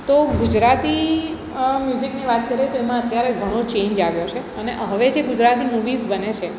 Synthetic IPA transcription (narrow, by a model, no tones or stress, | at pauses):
t̪oɡud͡ʒɾat̪i | mjuzikniʋat̪kəɾet̪oemãət̪jaɾeɡʱəɽ̃ot͡ʃeɲd͡ʒaʋjot͡ʃʰe | əneʔɦəʋed͡ʒeɡud͡ʒɾat̪imuʋizbənet͡ʃʰe